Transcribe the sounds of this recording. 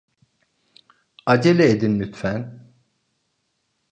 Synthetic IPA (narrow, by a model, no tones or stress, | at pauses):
ad͡ʒelɛːd̪inːyt̪fæn